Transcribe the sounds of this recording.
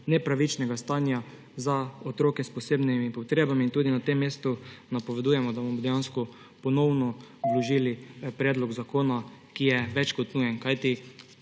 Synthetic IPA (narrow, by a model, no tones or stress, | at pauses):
nɛpɾaʋit͡ʃnɛɡast̪anja | zaot̪ɾoːkɛspɔseːbnimipɔt̪ɾeːbamiːnt̪uːd̪inat̪emːeːst̪unapɔʋɛd̪ujɛmɔd̪abɔmɔd̪ɛjanskɔ | pɔnɔwnɔʋlɔʒiːlipɾɛːd̪lɔɡzakoːnakijɛʋɛt͡ʃkɔt̪nuːjɛnkajt̪i